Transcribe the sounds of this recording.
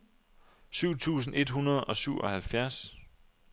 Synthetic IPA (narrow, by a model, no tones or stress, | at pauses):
syʊ̰t͡sʰṵːs̬n̩e̝d̥ɦunɐð̞ˠɒ̽syʊ̰ʔɒ̽hælfjæɐs